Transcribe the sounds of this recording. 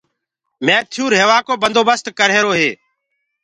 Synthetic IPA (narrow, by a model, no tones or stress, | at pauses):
mẽːt̪ʰɪjuːɾɦeːʋaːkoːbənd̪ʱoːbəst̪kəɾɦeːɾoːɦeː